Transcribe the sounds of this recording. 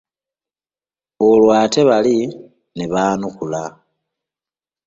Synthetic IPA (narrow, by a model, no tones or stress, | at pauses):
olwaːte̞βali | neβaːnukula